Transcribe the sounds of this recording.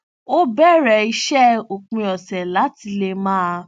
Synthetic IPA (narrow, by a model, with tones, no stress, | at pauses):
o˦bɛ˦˨ɾɛ˨i˧ʃɛ˦o˨k͡pĩ˧ɔ˨sɛ˨la˨˦ti˧le˧mãː˦a˧